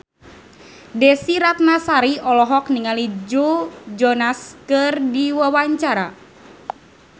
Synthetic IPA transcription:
dɛsiɾat̪̚nasaɾiʔɔlɔɦɔk̚niŋalid͡ʒud͡ʒɔnaskɨrdiwawaɲt͡ʃaɾa

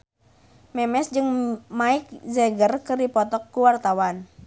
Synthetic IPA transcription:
mɛmɛsd͡ʒɨŋmaɪk̚zɛɡərkɨrdipɔt̪ɔkːuwart̪awan

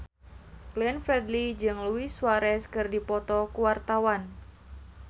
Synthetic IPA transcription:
ɡ̥lɛnfɾɛdlid͡ʒɨŋluiswaɾɛskɨrdipɔt̪ɔkuwart̪awan

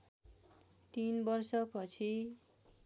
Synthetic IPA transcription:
t̪inbʌrsʌpʌt͡sʰi

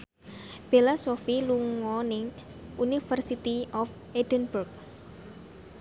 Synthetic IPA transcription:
b̥elasofiluŋɔnɪŋʔunifərsit̪iʔɔf | edənburk̚

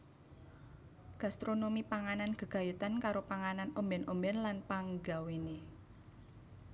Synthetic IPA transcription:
ɡ̥a̤st̪ɾonomipaŋananɡ̥ə̤ɡ̥a̤jut̪ankaɾopaŋananombɛnʔombɛnlanpaŋɡawene

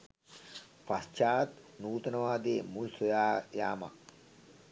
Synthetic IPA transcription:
past͡ʃaːt̪nuːt̪ɐnɐʋaːd̪eːmulsojaːjaːma̰k

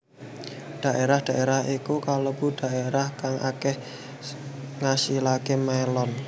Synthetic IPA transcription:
d̪̥a̤ʔeɾahd̪̥a̤ʔeɾahikukaləb̥ṳd̪̥a̤ʔeɾahkaŋʔa̰kɛh | ŋasilakemaelɔn

